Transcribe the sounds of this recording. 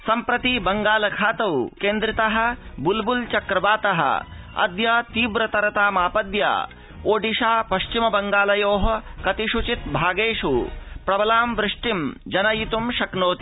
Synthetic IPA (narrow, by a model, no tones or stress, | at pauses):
sɐmpɾɐt̪ibɐŋɡaːlɐkʰaːt̪ɐwkeːnd̪ɾɪt̪ɐɦɐ̆bulbult͡ʃɐkɾɐbaːt̪ɐɦɐ̰ | ɐ̰d̪jɐt̪iːʋɾɐt̪ɐɾɐt̪aːmaːpɐd̪ja̰ː | oːɖiʃaːpɐʃt͡ʃimɐbɐŋɡaːlɐjoːɦɐ̆kɐt̪iʃut͡ʃit̪̚bʱaːɡeːʃupɾɐbɐlaːmʋɾɪʂʈimd͡ʒɐnɐjit̪umʃɐknoːt̪i̥